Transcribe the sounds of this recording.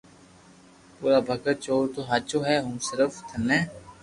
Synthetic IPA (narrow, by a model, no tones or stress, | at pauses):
puːɾaːbʱəkət̚t͡ʃoːɾt̪oːɦat͡ʃoːɦɛːɦũːsɪɾəft̪ʰənɛ̃ː